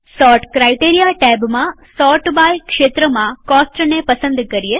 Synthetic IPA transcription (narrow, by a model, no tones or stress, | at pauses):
sɔːʈkɾaːjʈeːɾijaʈɛːbmãsɔːʈbaːjkʃeːt̪ɾəmãkɔːsʈɾnepəsə̃nd̪kɐɾije